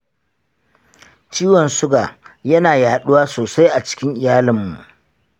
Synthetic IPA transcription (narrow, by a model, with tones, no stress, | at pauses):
t͡ʃiː˦wɔ˨nsʊ˦ɡaː˨jɐ˦naː˨jaː˨ɗʊ˦waː˦soː˨sa˦jʔa˨t͡ʃɪ̥˦kʲɪ˦ŋʔɪ˨jaː˦lɪ˨mːṵ˨ʔ